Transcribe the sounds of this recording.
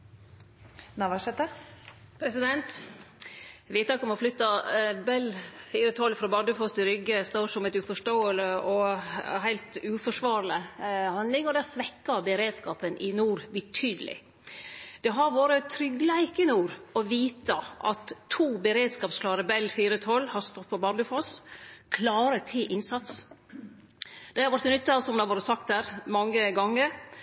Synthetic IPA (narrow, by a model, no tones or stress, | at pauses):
nɑʋɑʂɛt̪ːəpʰɾɛsɪd̪ɛnt̪ | ʋɪt̪ɑkɔmɔflʏt̪ːɑbɛlfiːɾət̪ʰɔlfɾɑbɑd̪əfɔst̪ɪɾʏɡːəst̪oːʂɔmɛt̪ʉfɔʂʈoːələɔɦæɪlt̪ʉːfɔʂʋɑːɾləhɑnd̪lɪŋɔd̪ɛsʋɛkːɑbəɾeːd̪skɑːpənʔɪnuːɾbɪt̪ʰyːd̪əlɪ̰ | d̪̥ɛɦɑɾʋoːɾət̪ʰɾʏɡlæɪkɪnuːɾɔʋiːt̪əʔɑ̰t̪ʰːuːbəɾeːd̪skɑːpskʰlɑːɾəbɛlːfiːɾət̪ʰɔlːhɑɾst̪ɔt̪̚pʰɔbɑɾdəfoːskʰlɑːɾət̪ʰɪlʔɪnsɑt̪s | d̪̥ɛhɑɾʋɑɾʈt̪ːnʏt̪ːɑsɔmd̪ɛhɑʋoːɾəsɑkt̪hæːɾmɑŋːəɡɑŋːəɾ